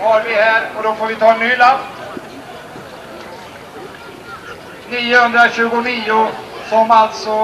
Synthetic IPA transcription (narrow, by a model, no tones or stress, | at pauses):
haɾvɪhæːɾɔd̪ɔfoːɾvɪt̪ʰɑːɛnːyːlan | niːʊhɵnd̪ɾaɕʉ̟ːɡʊniːʊsɔmalt̪sɔ